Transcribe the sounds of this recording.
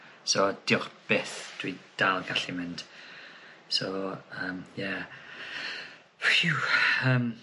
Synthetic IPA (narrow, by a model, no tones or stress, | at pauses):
sod̥ɪʊχb̥eːθd̥wid̥alˠɡaɬimɪnd̥ | soəːmjɛ | uəːm